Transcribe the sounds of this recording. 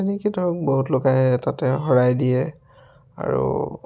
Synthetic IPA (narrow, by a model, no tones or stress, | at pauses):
enikidʱɔɹɔk̚boɦutlokaɦɛtatɛɦɔɹajdijɛ | a̰ɹṵ